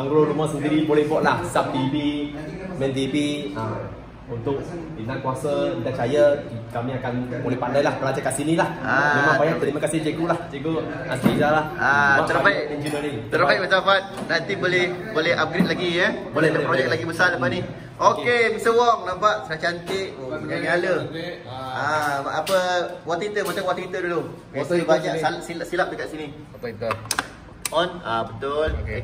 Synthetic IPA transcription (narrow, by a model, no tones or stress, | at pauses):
aŋɡɾolumasənd̪iɾibolɛhbɔʔlahsap̚t̪ipi | mɛ̃nt̪ipiə | unt̪ʊk̚dinankuasəidat͡ʃajəkamĩakanbolɛhpandajlahbəlad͡ʒakasinĩlahaləmabajaʔt̪əlimakasɪhd͡ʒeɡolahd͡ʒeɡo | ast̪id͡ʒalahamaʔ̪əɾpaɛnd͡ʒinəɾiŋt̪əɾapajʔbət̪apat̪̚nant̪ibolɛhbolɛha̰p̚ɡɾet̪̚laɡiəbolɛd̪əpɾod͡ʒɛk̚laɡibəsaləpani | ʔokkemisəwɔŋlabaʔsəɾat͡ʃant̪ɪʔaɲalə | aapəwaʔt̪it̪əmət̪əŋwaʔt̪it̪ədulom | osbaɲaʔsalʔsilaʔsilap̚dəkaʔ̪̚sini | ɔnabət̪ol